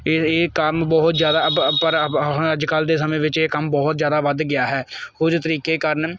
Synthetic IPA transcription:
eːkəmbɔːt̪zjaːd̪aːpəɾəd͡ʒkəld̪eːsəmẽːʋɪt͡ʃeːkəmbɔːt̪zjaːd̪aːʋəd̪ɡɪjaːɦɛːkʊd͡ʒt̪əɾiːkeːkəɾn

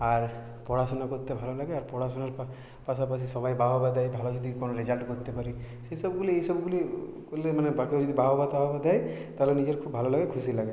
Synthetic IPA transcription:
aɾ | pɔɽasɔnakɔɾt̪ebʱalɔlaɡeaɾpɔɽasɔnaɾ | pasapasʰisɔbajbaɦɔbad̪ajbʱalɔd͡ʒɔd̪ʱikɔnɔɾid͡ʒalʈkɔɾt̪epaɾi | sejsɔbɡuliejsɔbɡuli | koɾlemanebakiod͡ʒɔd̪ibaɦobat̪aɦɔbad̪ajt̪aɦlenid͡ʒeɾkʰubʱalɔlaɡekʰusilaɡe

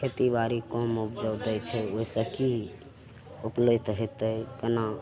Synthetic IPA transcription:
kʰet̪ibaɾikɔmupd͡ʒəwd̪əjt͡ʃʰɛoisəki | uplət̪ɦɛt̪əkəna

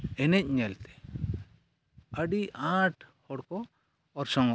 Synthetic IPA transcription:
ɛnɛc̚ɲɛlt̪ʰɛ̥ | əɖiʔãʈhɔɽkɔː | ɾsɔŋɔ

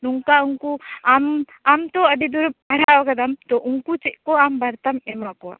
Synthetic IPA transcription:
nuŋkauŋkuam | amt̪oɐɖid̪uɾub̚ɐɽ̤aokɐd̪ɐmt̪oʔuŋkut͡ʃeʔkoambɐɾt̪ɐmemakoa̰

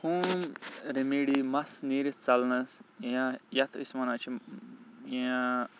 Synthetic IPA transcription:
humɾemiːɽimɐsniːɾit͡sɐlnɐsãjɐt̪ʰismɐnat͡ʃʰi | ã

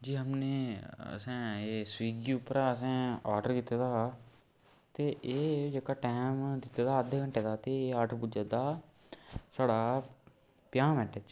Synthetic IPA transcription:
d͡ʒiːɦəmneːə̰sɛ̃ːeːswiːɡiːʊpəɾaːəsɛ̃ːaːɾɖəɾkit̪aːd̪aː | t̪eːʔeːd͡ʒəkaːʈɛːmd̪ɪt̪aːd̪aːəd̪eːkəɳʈeːd̪aːt̪eːaːʈəɾpud͡ʒaːd̪aː | saːɽaː | pɪjaːmɛ̃ːʈʰet͡ʃ

